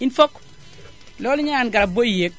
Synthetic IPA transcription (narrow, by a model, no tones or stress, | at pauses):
infok | loliɲaanɡaɾabojijek̚